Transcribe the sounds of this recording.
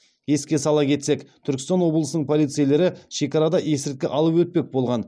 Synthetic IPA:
je̞skʲe̞sɑlˠɑkʲʰe̞t̪se̞kt̪ʰʏɾkʲɪst̪ɑnwo̞blˠəsənəɴpʰo̞lˠijt̪sɨjlʲe̞ɾɪʃe̞kɑɾɑd̪ɑʔe̞sɪɾt̪̚kʲeʔɑlˠəpwɵt̪̚pe̞k̚bo̞lˠʁɑn

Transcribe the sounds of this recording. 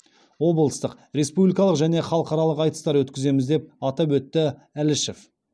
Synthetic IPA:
wo̞blˠəst̪əq | ɾe̞spublʲijkɑlˠəqʒæne̞χɑlˠəqɑɾɑlˠəqɑjt̪ə̥st̪ɑɾwɵt̪kʲɪze̞mɪzd̪e̞p̚ɑt̪ɑpwɵt̪ːɪ | ælɪʃef

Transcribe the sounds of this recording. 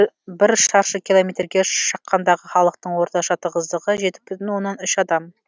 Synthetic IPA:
bɪɾʃɑɾʃəkʲilˠo̞met̪ɾɡʲeʃɑ̥qːɑnd̪ɑʁəχɑlˠəq̚t̪əɴwo̞ɾt̪ɑʃɑt̪əʁəzd̪əʁəʒe̞t̪ɪ̥bʏt̪ɪnwo̞nːɑnʏʃɑd̪ɑm

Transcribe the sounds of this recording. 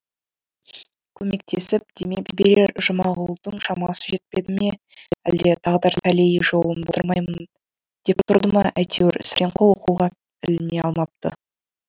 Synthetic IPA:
kʲʰɵme̞k̚t̪ʰe̞sɪp̚d̪̥e̞mekbeɾeɾʒʊmɑʁʊlˠd̪əɴʃɑmɑsəʒe̞t̪̚pe̞d̪ɪme̞ | æ̰ld̪e̞t̪ʰɑʁd̪ɑɾt̪ʰælejʒo̞lˠənbot̪əɾmɑjmən | d̪̥ept̪ʰʊɾd̪əmɑʔæjt̪ʰewɪɾsɾʔeɴqʰolˠoquʁɑ | t̪ʰɪlɪne̞ɑlˠmɑp̚t̪ə̰

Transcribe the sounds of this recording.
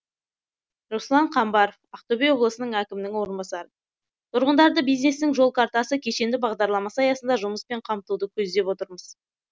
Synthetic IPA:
ɾoslˠɑɴqʰɑmbɑɾofɑqt̪obʲejwo̞blˠəsənəɴækʲɪmɪnɪŋwo̞ɾənbɑsɑɾə | t̪ʰʊɾʁənd̪ɑɾd̪əbijzne̞snɪŋʒo̞lˠkʰɑɾt̪ɑsəkʲʰe̞ʃe̞nd̪ɪbɑʁd̪ɑɾlˠɑmɑsɑjɑsənd̪ɑʒʊməspe̞ɴqʰɑmt̪ud̪əkʲʰɵzd̪e̞pwo̞t̪əɾməz̥

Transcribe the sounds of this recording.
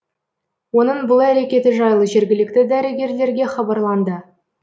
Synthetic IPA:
wo̞nəɴbʊlˠæɾe̞kʲe̞t̪ɪʒɑjlˠəʒe̞ɾɡʲɪlɪk̚t̪ɪd̪æɾɪɡʲe̞ɾle̞ɾɡʲe̞χɑbɑrlˠɑnd̪ə

